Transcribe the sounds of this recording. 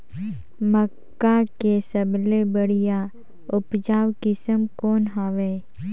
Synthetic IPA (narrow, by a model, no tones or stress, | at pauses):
məkːakesəblebəɽija | ʊpd͡ʒaːwkɪsəmkɔːnɦaːʋeː